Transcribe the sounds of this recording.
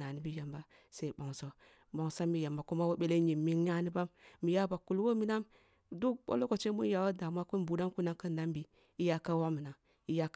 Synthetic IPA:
na˨ni˦bi˦ja˨mba˦ | se˦i˦bo˨ŋso˦ | ba˨ŋ˨sa˦mːi˦ja˨mba˨ku˦ma˦wo˦ɓe˦le˦ɲi˨mi˦ŋja˦ni˦ba˦mːi˨ja˦ba˨ku˨lwo˦mi˦na˦m | du˦ɓo̰˦lo˦ko˨t͡ʃe˦mu˦n˦ja˨wa˦da˨mʷ˦a˦ku˦n˦bu˦da˦ŋku˦na˦ŋkə˦n˦da˦mbi˨ | i˦ja˦ka˦wa˦mi˨na˨ | i˦ja˦k

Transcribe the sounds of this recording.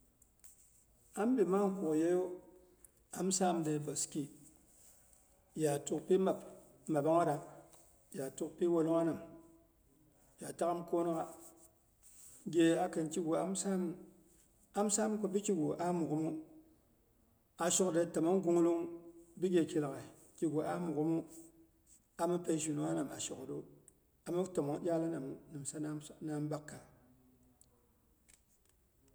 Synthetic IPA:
a˦m˦bi˨ma˦ŋ˦ku˨kje˦jo˦ | a˨msa˦mde˨˧ba˨ski˨ | ja˨tu˦kpi˦ma˨p | ma˨ba˦ŋa˦da˨ | ja˨tu˦k̚pi˦wo˧no˦ŋa˦nɨ˨m | ja˨ta˦ka˦mko˦no˦ka˦ | ɡʲe˧a˨ke˧nt͡ʃi˦ɡu˨a˦m˦sa˦m | a˦m˦sa˦m˦ku˨bi˦ki˦ɡo˨ʔa˦mu˨kmu˦ | a˨ʃo˦kde˦ta˨ma˦nɡu˦ŋ˦lu˦ŋbi˦ɡe˨ki˨lka˨ | ki˦ɡo˨ʔa˦mu˨kmu˦ | a˨ma˦pe˦ʃ̬u˨no˨˦a˦na˨ma̰˨ʃo˨kdo˦ | a˨ma˦ta˨mo˨ŋ˦ɗʲa˦la˦na˨m˨nɨ˨m˨sa˦na˦na˦m˦ba˦kːa˨

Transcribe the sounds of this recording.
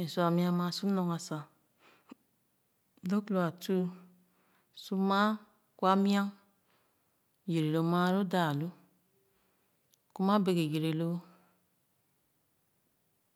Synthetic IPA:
e˨su˨a˨mi˦a˦ma˨su˦no˨ŋa˨sa˨˦ | do˦klo˨a˨tu˦ | su˦ma˦ | ku˦a˦mi˦a˦ŋ | je˨ɾe˨lo˨ma˦ɾo˦da˨lo˦ | ku˦ma˦be˨ke˨je˨ɾe˨lo˦

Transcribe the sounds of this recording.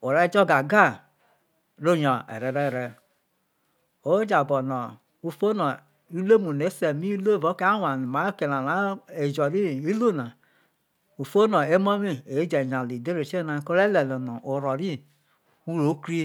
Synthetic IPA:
o˨ɾɛ˦d͡ʒɔ˦ɡa˨ɡa˦˨ | ɾo˦˨ɲɔ˨ɛ̰˨ɾɛ˨ɾɛ˦˨ɾɛ˨ | o˦d͡ʒa˨bɔ˨nɔ˨ | u˦fo˦nɔ˨ | i˦lo˦mu˨ne˨˦se˨mi˦lo˦˨vo˨˦ke˦a˦wa˨n˨ma˨˦o˦ke˨na˨na˨˦e˨d͡ʒɔ˨ɾi˦i˦lo˦˨na˨ | u˨fo˦nɔ˨e˦mɔ˦mi˦e˨˦d͡ʒe˨ɲa˨li˨de˦ɾe˨t͡ʃe˦na˨˦ko˦ɾe˦lɛ˨lo˨nɔ˨ʔo˨ɾɔ˨ɾi˦ | u˦ɾo˨˦kɾi˦

